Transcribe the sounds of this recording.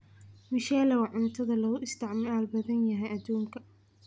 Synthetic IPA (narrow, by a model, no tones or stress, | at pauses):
mɪʃaːlɐwɑʕʊnɐt̪ʰɐðɐlɐɣʊʔɪst̪ʰɪʕmaːlbɐðɐnjɐɦɛjʔɐd̪uːŋkʰɐ